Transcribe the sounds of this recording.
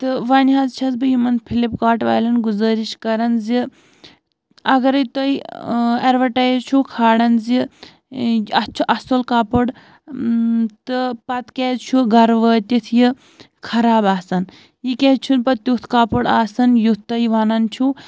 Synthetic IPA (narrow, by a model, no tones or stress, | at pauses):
t̪ɨʋɐːnɦɐzt͡ʃʰɐzbɨjimɐnpʰilipkaːʈʋa̰ːjlɐnɡuzɐːɾiʃkɐɾɐnzi | ɐɡɐɾt̪ɐjɐɾʋɐʈaːjzt͡ʃʰukʰaːɽɐnzi | ɐt͡ʃʰuʔɐsolkaːpɐɽ | t̪ɨpɐt̪keːt͡ʃʰuɡɐɾʋəːt̪ʲit̪ʰji | kʰɐɾaːbaːsɐn | jikʲeːt͡ʃʰunpɐt̪ʲːut̪ʰkaːpɐɽaːsɐnjut̪ɐiʋɐnɐnt͡ʃʰu